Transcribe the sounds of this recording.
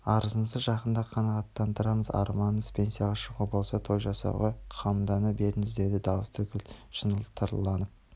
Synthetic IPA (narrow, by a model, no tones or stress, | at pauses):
ɑɾəzənsəʒɑqənd̪ɑqʰɑnɑʁɑt̪ːɑnt̪ʰəɾɑməzɑ̰ɾmɑnəspʰʲe̞nsijaʁɑʃəʁubo̞lˠsɑt̪ʰo̞jʒɑsɑ̰ʁɑjqʰɑmd̪ɑnəbe̞ɾɪnɪzd̪e̞d̪ɪd̪ɑwəst̪ʰʏkʲʰɪlʃənəlˠt̪ʰəɾlˠɑnəp